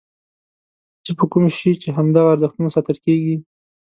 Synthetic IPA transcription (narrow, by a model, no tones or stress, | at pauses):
t͡səpəkumʃit͡ʃeɦamd̪aɣaːɾzəxt̪unasɑt̪əlkeɡi